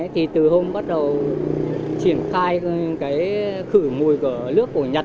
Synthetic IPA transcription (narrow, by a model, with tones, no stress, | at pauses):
t̪ʰi˨˩t̪ɨ˨˩ɦo˧ŋ͡mɓa˦˥t̚ɗə˨˩w | t͡ɕi˧˩ənxaː˧jkaː˨˦jxɨ˧˩mu˨˩jku˧˩əlɨ˦˥ək̚ːo˧˩ɲə˨˩t̚